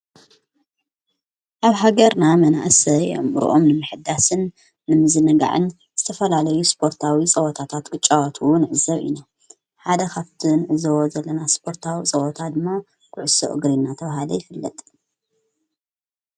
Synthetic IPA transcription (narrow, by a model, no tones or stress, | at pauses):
ʔaβɦaɡɐɾnamɐna̰ʔsɐj̰mɾ̰ʔo̰mnɨmɨħɨd̪ːasɨnː | ɨmɨzɨnɐɡa̰ʕɨ̰n | z̥ɨt̪ʰɐfɐlalɐjuspʰo̞ɾt̪ʰawit͡sʼɐwɔt̪ʰat̪ʰat̪ɡ̥ɨt͡ʃʼːawot̪ʰuwʊnʕɨzɐβḭna | ħad̪ɐkʰaβt̪ʰɨnʕɨzɐwozɐlːɐnaspʰo̞ɾt̪ʰawit͡sʼɐwɔt̪ʰad̪ɨmːa | kʰʊʕʊso̰ʔɨ̰ɡɾinːat̪ʰɐβahalɐjɪfɨlːɐ̰t̪ʼ